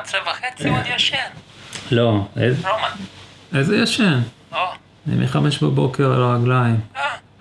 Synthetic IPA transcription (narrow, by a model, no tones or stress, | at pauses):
t͡sevaχet͡sid̪jaʃenloḛzlomaejzejaʃen | o | nḭmʔḭχame̞ʃbabo̞ke̞ʁa̰laaɡlaim